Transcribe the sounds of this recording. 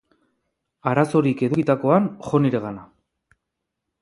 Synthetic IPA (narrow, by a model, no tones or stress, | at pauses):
aɾaso̞ɾike̞ðuɣit̪ako̞anxo̞niɾe̞ɣana